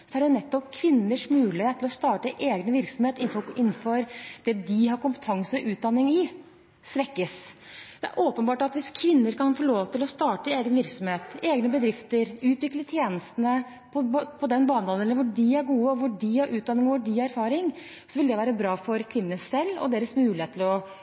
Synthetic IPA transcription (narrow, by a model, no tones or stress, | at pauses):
sɔæɖɛnɛt̪ːɔp̚kʰʋɪnːəʂmʉːlɪheːt̪ʰːɪlɔst̪ɑːʈəʔeːɡnəʋɪɾksɔmheːt̪ɪnɔɪnːfɔɾd̪̥ɛd̪ɪɦɑɾkʊmpə̥t̪ʰɑŋsəɔʔʉːt̪̚d̪ɑnːɪŋɪ | sʋɛkːəs | d̪ɛæ̰ɾʔoːpənbɑːʈɑt̪ʋɪskʰʋɪnːəɾkɑnfoːɭoːʋt̪ʰɪlɔst̪ɑːʈəeːɡənʋɪɾksɔmheːt̪eːɡnəbəd̪ɾɪft̪əɾʉːt̪ʋɪklət̪ʰjeːnəst̪ənə | pʰɔpʰɔd̪ɛnbɑːnd̪ɑnɛlːəɾʋʊɖɪæɾɡuːəɔʋʊɖɪhɑɾʔʉːt̪d̪ɑnːɪŋɔʋʊɖɪæɾfɑːɾɪŋ | sɔʋɪld̪ɛʋæːɾəbɾɑːfɔɾkʰʋɪnːəsɛlːɔ̰d̪eːɾəsmʉːlɪheːt̪ʰːɪlɔ